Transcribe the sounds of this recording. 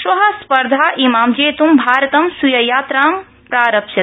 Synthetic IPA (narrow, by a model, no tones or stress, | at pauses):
ʃʋɐɦɐspɐɾd̪ʱaːʔimaːmd͡ʒeːt̪umbʱaːɾɐt̪ɐmsujɐjaːt̪ɾaːm | pɾaːɾɐpʃɐt̪